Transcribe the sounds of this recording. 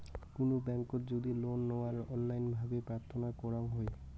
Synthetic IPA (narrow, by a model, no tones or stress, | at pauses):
konobɛŋkotd͡ʑod̪ilonːɔwaɾɔnlajnbʱabepɾaɾt̪ʰonakɔɾaŋɦoe